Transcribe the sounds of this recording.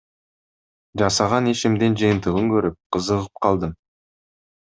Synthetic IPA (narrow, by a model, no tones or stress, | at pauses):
ʒɑsɑʁɑneʃɪmd̪enʒijənt̪əʁəŋkʲʰɵɾɪp̚qʰəzəʁəp̚qʰɑlˠd̪əm